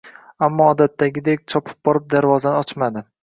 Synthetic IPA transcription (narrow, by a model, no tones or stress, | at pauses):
amːɒːd̪at̪ʰːaɡʲɪd̪ekʲt͡ʃʰɒpʰɪ̥p̚bɒɾɪp̚d̪aɾvɒzanɪɒt͡ʃmad̪ɪ